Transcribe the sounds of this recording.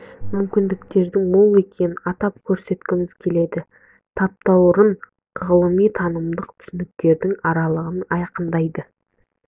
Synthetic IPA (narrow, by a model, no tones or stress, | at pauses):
mʏmkʲɪnd̪ɪkt̪e̞ɾd̪ɪŋmʊlˠe̞kʲeɑt̪ɑp̚kʲʰɵɾse̞t̪kʲɪmɪz̥kʲʰe̞le̞d̪ɪ | t̪ʰɑp̚t̪ɑwʊɾəɴ | ʁəlˠəmijt̪ʰɑnəmd̪əqt̪ʰʏ̥sɪnɪk̚t̪e̞ɾd̪ɪŋɑɾɑlˠəʁənɑjqənd̪ɑjd̪ə